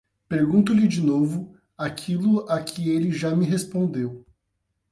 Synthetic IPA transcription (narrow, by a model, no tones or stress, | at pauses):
peɾɡũnt̪ʊlɪd͡ʒinovʊ | akʰilʊakʰɪelɪʒamɪɦespõnd̪ew